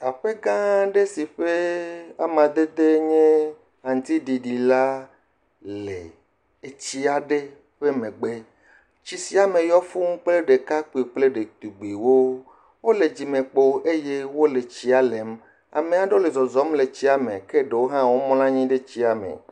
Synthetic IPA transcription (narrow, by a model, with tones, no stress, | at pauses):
a˨ɸe˦ɡã˦ɖe˦si˨ɸe˦a̰˨mã˨d̪e˦d̪e˦ɲẽ˦ | ɦã˨ŋ˨˦t̪i˦ɖi˨ɖi˨la˦ | le˨ | t͡ɕi˦a˨ɖe˦ | ɸe˦mẽ˨ɡ͡be˦ | t͡ɕi˦si˦a˨mẽ˨jɔ˦fu˦ŋ˦k͡ple˦ɖe˨ka˦k͡pi˨k͡ple˦ɖe˨t̪u˨ɡ͡be˨wo˦ | wo˦le˨d͡ʑi˨mẽ˨k͡po˦e˦je˦wo˦le˨t͡ɕi˦a˨le˨m | a̰˨mẽ˨a˨ɖo˦le˨zɔ˨zɔ˦mle˨t͡ɕi˦a˨mḛ̃˨ke˦ɖe˨wo˦ɦã˦wo˦mɔ̃˦lã˦ɲĩ˦ɖe˦t͡ɕi˦a˨mḛ̃˨